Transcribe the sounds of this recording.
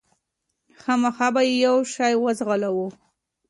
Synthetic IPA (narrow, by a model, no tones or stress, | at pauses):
xɑmaxɑbajejawʃɑjwəzɣalawu